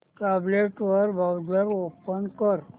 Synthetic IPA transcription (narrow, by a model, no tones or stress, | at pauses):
kableʈʋəɾbʱawd̪əɾopənkəɾ